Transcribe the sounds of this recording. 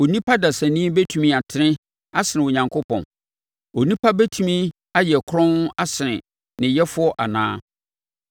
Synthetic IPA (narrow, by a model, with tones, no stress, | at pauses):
o˨nĩ˦pʰa˦da˨sæ˨nĩː˦bɛ˦tʰu˨mĩ˦a˨tʰɪ˦nɪ̃˦ | a˦sɪ˨nɪ̃˨ɔ˨ɲã˨ŋkʰo˦pʰɔ̰̃˨n | o˨nĩ˦pʰa˦bɛ˦tʰu˨mĩ˦ | a˦jɛ˨kʰɾɔ̃˦n˦a˦sɪ˨nɪ̃˨ | nɪ̃˨jɛ˦fʊ˦ɔ˦ʔa˨nã̰ː˦